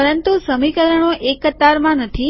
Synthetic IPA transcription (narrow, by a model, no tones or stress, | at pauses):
əɾənt̪usəmikəɾəɳ̃oʔekːət̪aɾmãnət̪ʰi